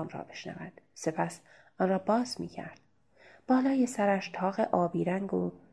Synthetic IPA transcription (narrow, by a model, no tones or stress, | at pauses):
mɾɒ̰ːbe̞ʃnæ̰væd̪̥se̞pʰæs | ʔɒːnrɒːbɒːzmḭːcʰæ̰ɾd̪̥ | b̥ɒːlɒːjesæɾæʃt̪ʰɒːɣeʔɒːbiːɾæŋɡo